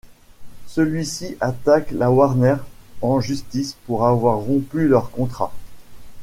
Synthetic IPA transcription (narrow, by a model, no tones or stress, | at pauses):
səlɥisiʔat̪aklawaʁnɛʁɑ̃ʒyst̪ispuʁavwaʁːɔ̃pylœʁkɔ̃t̪χa̰